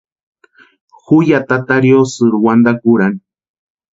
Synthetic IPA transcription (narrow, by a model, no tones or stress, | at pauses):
xʊjat̪at̪aɾjosɨɾwand̪akʊɾaŋ